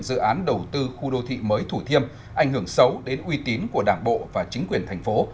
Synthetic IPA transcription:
nzɨ̰˧˨ʔaː˨˦nɗə˨˩wt̪ɨ˧xu˧ɗo˧t̪ʰḭ˧˨məː˨˦jt̪ʰu˧˩t̪ʰi˧əm | ʔa˧˩jŋ̟hɨ˧˩əŋsə˨˦wɗe˨˦nʔwi˧t̪i˨˦nku˧˩ə˩ɗaː˧˩ŋɓo̰˧˨vaː˨˩t͡ɕï˨˦ŋ̟kwi˨˩ənt̪ʰjŋ̟fo˨˦

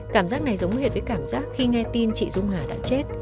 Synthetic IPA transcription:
kaː˧˩mzaː˦˥k̚na˨˩jzə˨˦wŋ͡mɦe˨˩t̚vəː˨˦jkaː˧˩mzaː˦˥k̚xi˧ŋɛ˧t̪i˧nt͡ɕḭ˧˨zʊ˧ŋ͡mhaː˨˩ɗa̰ː˧˥t͡ɕe˦˥t̚

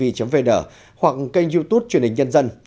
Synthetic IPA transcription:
ḭ˧˨t͡ɕə˨˦mve˧ɗəː˧˩ | hwa˨˩k̚kə˧jŋ̟zu˧t̪u˦˥p̚t͡ɕənhï˨˩ŋ̟ɲə˧nzə˧n

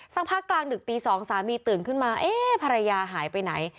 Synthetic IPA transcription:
sa˥˩pʰaː˥˩klaː˧ŋdɯ˨˩k̚t̪iː˧sɔː˩˦ŋsaː˩˦miː˧t̪ɯː˨˩nkʰɯ˥˩nmaː˧ʔeː˥˩pʰa˧ɾa˧jaː˧ɦaː˨˩˦jpa˧jna˩˦j

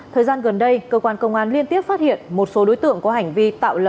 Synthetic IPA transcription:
t̪ʰəː˨˩jzaː˧nɣə˨˩nɗə˧jkəː˧kwaː˧nkə˧wŋ͡mʔaː˨˦nli˧ənt̪i˦˥əp̚faː˦˥t̚hḭ˧˨ənmo˨˩t̚so˨˦ɗo˨˦jt̪ɨ̰˧˨əŋkɔ˨˦ɦa˨˩jŋ̟vi˧t̪a̰ː˧˨wlə˨˩

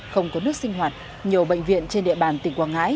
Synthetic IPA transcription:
xə˧wŋ͡mkɔ˨˦nɨ˦˥ək̚sï˧ŋ̟ɦwaː˨˩t̚ | ɲi˨˩əwɓə̰˧˨ŋ̟vḭ˧˨ənt͡ɕe˧nɗḭ˧˨əɓaː˧˩nt̪ï˨˩ŋkwaː˧˩ŋa̰ː˧˥j

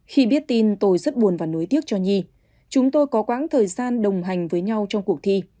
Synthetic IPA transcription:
xi˧ɓi˦˥ət̚t̪i˧nt̪o˧jzə˦˥t̚ɓu˨˩ənvaː˨˩no˨˦jt̪i˦˥ək̚t͡ɕɔ˧ɲi˧ | t͡ɕʊ˨˦ŋ͡mt̪o˧jkɔ˨˦kwa̰ː˧˥ŋt̪ʰəː˨˩jzaː˧nɗə˨˩wŋ͡mɦa˨˩jŋ̟vəː˨˦jɲa˧wt͡ɕɔ˧wŋ͡mku˨˩ək̚t̪ʰi˧

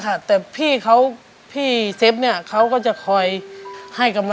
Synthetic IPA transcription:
kʰa˧˥˩t̪ɛː˧˩pʰiː˥˩kʰa˧˦˥w | pʰiː˥˩se˧˦˥p̚ni˧˥˩ɐkʰa˧˥wkɔː˧˩t͡ɕa˧˩kʰɔː˨˩jha˧˩jka˧mla˧

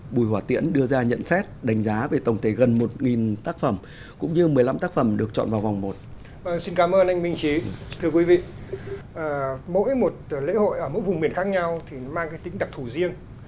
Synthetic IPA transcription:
ɓu˨˩jhwaː˧˩t̪ḭ˧˥ənɗɨ˧əzaː˧ɲə̰˧˨nsɛ˦˥t̚ɗa˨˦jŋ̟zaː˨˦ve˨˩t̪ə˨˩wŋ͡mt̪ʰe˧˩ɣə˨˩nmo˨˩t̚ŋi˨˩nt̪aː˦˥k̚fə˧˩m | kʊ̰˧˥ŋ͡mɲɨ˧mɨ˨˩əjla˧mt̪aː˦˥k̚fə˧˩mɗɨ˨˩ək̚t͡ɕɔ̰˧˨nvaː˨˩wva˨˩wŋ͡mmo˨˩t̚ | və˧˩ŋsi˧nkaː˨˦mʔəː˧nʔa˧jŋ̟mï˧ŋ̟t͡ɕi˨˦t̪ʰɨ˧əkwi˨˦vḭ˧˨ʔəː˨˩mo̰˧˥jmo˨˩t̚lḛ˧˥ho̰˧˨jʔəː˧˩mo̰˧˥jvʊ˨˩ŋ͡mɓi˨˩ənxaː˦˥k̚ɲa˧wt̪ʰi˨˩nɔ˨˦maː˧ŋkaː˨˦jt̪ï˨˦ŋ̟ɗa˨˩k̚t̪ʰu˧˩zi˧əŋ

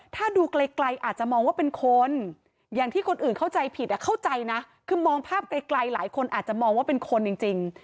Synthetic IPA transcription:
t̪ʰaː˥˩duː˧kle˧kla˧jʔaː˨˩t̪̚t͡ɕa˨˩mɔː˧ŋwaː˥˩pe˧nkʰo˧n | jaː˨˩ŋt̪ʰiː˥˩kʰo˧nʔɯː˨˩nkʰa˥˩wt͡ɕa˧jpʰi˨˩t̪̚ʔɛ˨˩kʰa˥˩wt͡ɕa˧jna˦˥ | kʰɯː˧mɔː˧ŋpʰaː˥˩p̚kla˧jkla˧jlaː˩˦jkʰo˧nʔaː˨˩t̪̚t͡ɕa˨˩ʔmɔː˧ŋwaː˥˩pe˧nkʰo˧nt͡ɕi˧ŋt͡ɕi˧ŋ

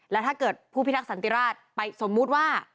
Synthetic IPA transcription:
lɛː˦˥wt̪ʰaː˥˩kɤː˨˩t̪̚pʰuː˥˩pi˦˥t̪ʰːa˥k̚sa˩˦nt̪i˧ɾaː˥˩t̪̚pa˧jso˩˦mːu˦˥t̪̚waː˥˩

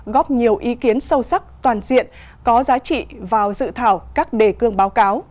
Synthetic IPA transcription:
ɣɔ˦˥p̚ɲi˨˩əwʔi˨˦ki˨˦ənsə˧wsa˦˥k̚t̪waː˨˩nzḭ˧˨ən | kɔ˨˦zaː˨˦t͡ɕḭ˧˨vaː˨˩wzɨ̰˧˨t̪ʰaː˧˩wkaː˦˥k̚ɗe˧˩kɨ˧əŋɓaː˨˦wkaː˨˦w

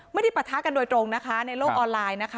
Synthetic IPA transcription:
ma˥˩jda˥˩pɾa˨˩t̪ʰːaː˦˥ka˧ndoː˧jt̪ɾo˧ŋna˦˥kʰa˦˥na˧jloː˥˩k̚ʔɔː˧nlaː˧jna˦˥kʰa˦

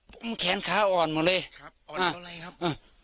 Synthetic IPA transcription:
pʰo˨˦mkʰɛː˨˦nkʰaː˨˥ʔɔː˨˩nmɔː˧˩lɤː˧˨ʔãː˧˩ʔãː˧˩

